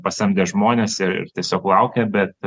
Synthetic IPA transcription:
pɐsʲɛmʲd̪ʲɛʒmoːnʲeːsɪɾɪ̰rt̪ʲiɛsʲoːklˠɐʊkʲɛbʲɛt̪

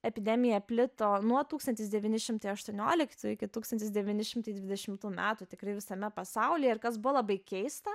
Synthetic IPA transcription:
ɛpʲɪd̪ʲɛmʲɪjɛpʲlʲɪt̪oːnuɔt̪uːkst̪ɐnʲt̪ʲɪsd̪ʲɛʋʲiːnʲɪʃʲɪmt̪ɐɪɐʃt̪uɔnʲoːlʲɪkt̪ʲuːɪkʲɪt̪uːkst̪ɐnt̪ʲɪsd̪ʲɛʋʲiːnʲɪʃʲɪmt̪ɐɪd̪ʲʋʲɪd̪ʲɛʃʲɪmt̪uːmʲæːt̪ʊt̪ʲɪkɾɐɪʋʲɪsɐmʲɛpɐsɐʊlʲijɛɪɾkɐsbʊʋolˠɐbɐɪkʲɛɪst̪ɐ

